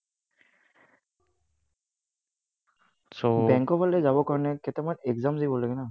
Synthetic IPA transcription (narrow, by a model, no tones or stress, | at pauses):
sobɛŋkɔbalɛzabɔkaɹnɛket̪ɛmanekzamzajbɔlɛɡɛna